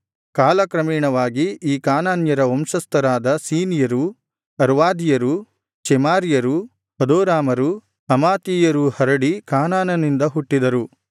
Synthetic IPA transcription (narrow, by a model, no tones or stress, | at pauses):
kaːlɐkɾɐmiːɳɐʋaːɡiiːkaːnaːnjɐɾɐomʃɐst̪ɐɾaːd̪ɐsiːnijɐɾu | ɐɾʋaːd̪ijɐɾu | t͡ʃɛmaːɾijɐɾu | hɐd̪oːɾaːmɐɾu | ɐmaːt̪iːjɐɾuhɐɾɐɽikaːnaːnɐnind̪ɐɦuʈːid̪ɐɾu